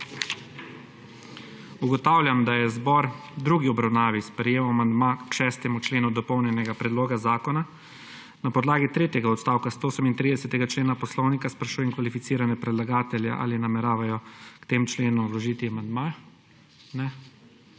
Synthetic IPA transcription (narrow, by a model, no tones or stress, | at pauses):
uɡɔt̪aːwlʲjamd̪ajɛzbɔɾd̪ɾuːɡiɔbɾawnaːʋispɾɛjeːwamand̪makʃɛst̪ɛmut͡ʃleːnud̪ɔpɔwnjɛnɛɡapɾɛd̪loːɡazaːkɔna | napɔd̪laːɡit̪ɾeːt̪jɛɡaɔt̪st̪aːwkast̪ooːsɛmint̪ɾid̪ɛsɛt̪ɛɡat͡ʃleːnapɔslɔwnikaspɾaʃujɛŋkʋalifit̪siːɾanɛpɾɛd̪laɡaːt̪ɛlja̰ʔa̰ːlinamɛɾaːʋajɔkt̪eːmt͡ʃleːnulɔʒiːt̪iamand̪ma | nɛ